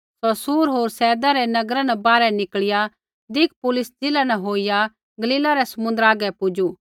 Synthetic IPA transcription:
sɔsuːɾɦoːɾsɛːd̪aɾɛnɐɡɾanɛbaːɾɛnɪkɭɪja | d̪ɪk̚ʰpʊlʊsd͡ʒɪlanɛɦoːija | ɡɐliːlaɾɛsɐmʊ̃nd̪əɾaːɡɛpʊd͡ʒu

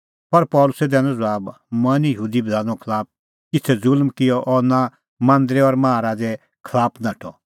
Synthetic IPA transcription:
pɐɾpɔːlʊsɛd̪ɛ̃ːnɔ̃d͡zɐaːb | mɐnijəɦuːd̪ibɐd̪ʱãːnɔ̃kʰɐlaːp̚ | kɪtʰɛzʊlmkɪjɔʔɔːnã | mãːnd̪ɾɛɔːɾmãːaɾaːd͡zɛ | kʰlaːpʰnãʈʰɔ

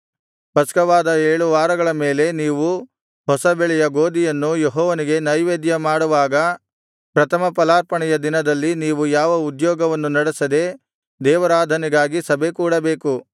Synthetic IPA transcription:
pɐskɐʋaːd̪ɐeːɭuʋaːɾɐɡɐɭɐme̞ːle̞niːʋu | ɦɔsɐbɛɭɛjɐɡoːd̪ijɐnːujeɦɔːʋɐniɡe̞nɐjʋeːd̪jɐmaːɽuʋaːɡɐ | pɾɐt̪ʰɐmɐpɐlaːɾpɐɳɛjɐd̪inɐd̪ɐlːiniːʋujaːʋɐud̪jɔːɡɐʋɐnːunɐɽesɐd̪e̞ | d̪ɛːʋɐɾaːd̪ʱɐniɡaːɡisɐbʱe̞kuːɽɐbeːku

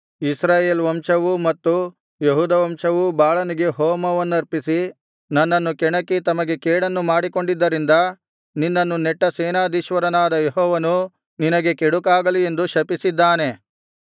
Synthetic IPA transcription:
isɾaːjeːlʋɐmʂɐʋumɐt̪ːu | jeɦuːd̪ɐʋɐmʃɐʋubaːɭɐniɡe̞ɦɔːmɐʋɐnːuɐɾpisi | nɐnːɐnːukɛɳɐkːit̪ɐmɐɡe̞kɛːɽɐnːumaːɽiko̞ɳɖid̪ːɐɾind̪ɐ | ninːɐnːunɛʈːɐseːnaːd̪iʃʋɐɾɐnaːd̪ɐjeɦɔːʋɐnu | ninɐɡe̞keɽukaːɡɐlie̞nd̪uʃɐpisid̪ːaːne̞

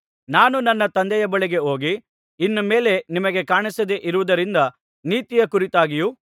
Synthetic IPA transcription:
naːnunɐnːɐt̪ɐnd̪ɛjɐbɐɭiɡe̞o̞ːɡi | inːɐme̞ːle̞nimɐɡe̞kaːɳisɐd̪eʔiɾuʋud̪ɐɾind̪ɐ | niːt̪ijɐkuɾit̪aːɡiju

